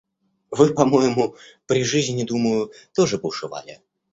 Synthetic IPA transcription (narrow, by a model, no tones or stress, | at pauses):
vɨpɐmojɪmʊpɾʲɪʐɨzʲnʲɪd̪uməjʊt̪oʐɨbʊʂɨva̰lʲɪ̰